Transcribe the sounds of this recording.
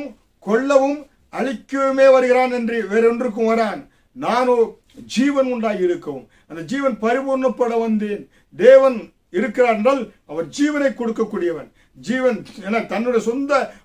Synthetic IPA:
m | kɔɭːɐʋɯm | ɐɻɪkːɯmeːʋɐɾɯɣɪɾaːnɛndriʋeːɾɔndrɯk̬ːɯʋɐɾaːn | naːnoː | d͡ʒiːʋɐnʊɳɖaːjɪɾɯkːɐʋɯm | ɐnd̪ɐd͡ʒiːʋɐnpɐɾɪbuːɾnɐpːɐɽɐʋɐnd̪eːn | d̪eːʋɐn | ɪɾɯkːɪɾaːɾɛnraːl | ɐʋɐɾd͡ʒiːʋɐnɐɪkːɔɽɯkːɐkːuːɽɪjɐʋɐn | d͡ʒiːʋɐneːnːaːt̪ɐnːɯɽɐjɐsɔnd̪ɐ

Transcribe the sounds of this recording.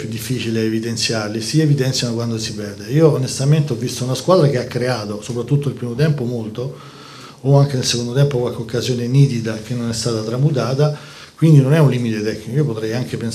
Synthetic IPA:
jud̪ːifːiːt͡ʃileːvid̪ent̪sjarlisievid̪ɛnsjanokwand̪osipɛrd̪eiːoːnest̪ament̪eɔvːist̪ounaskwaːd̪ɾak̟eakːɾeaːt̪osopɾat̪ːut̪ːoilpɾiːmot̪ɛmpomolt̪oː | aŋk̟enelsekond̪ot̪ɛmpokwalkeokːazjoːneniːd̪id̪ak̟enːonɛst̪aːt̪at̪ɾamut̪̬aːt̪a | kwind̪inonɛunlimit̪et̪ɛkːnikoiopot̪ɾɛjaŋk̟epen

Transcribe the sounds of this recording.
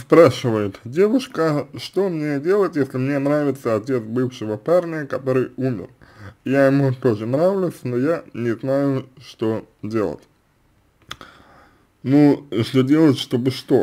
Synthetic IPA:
spɾaʂɨvəjɪt̪dʲe̞vʊʂkəʂt̪o̞mnʲe̞dʲe̞lˠətʲjesʲlʲɪmnʲe̞nɾavʲɪt̪səɐtʲe̞t̪sbɨfʂɨvəparnʲɪjəkɐt̪o̞ɾɨjumʲɪ̰rjajɪmut̪o̞ʐɨnɾavlʲʊsʲnojanʲɪznajʊʂt̪o̞ | dʲe̞lˠə̰tʲ | nuʂt̪ʲodʲe̞lˠətʲʂt̪o̞bɨʂt̪o

